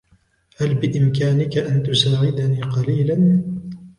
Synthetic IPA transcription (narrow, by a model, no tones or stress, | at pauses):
halbɪʔɪmkaːnɪkaʔant̪ʊsaːʕɪd̪aniːqɑliːlan